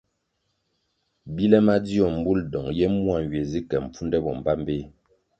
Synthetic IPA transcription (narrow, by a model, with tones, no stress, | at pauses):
bi˦lɛ˦ma˦di˦ɔ˨m̩˨˦bu˦ldɔ˨ŋjɛ˦mu˦a˨ŋ˨ɥe˨zi˦kɛ˨m̩˨p͡fu˦ndɛ˦bɔ˨m˨ba˦m˦be˦˨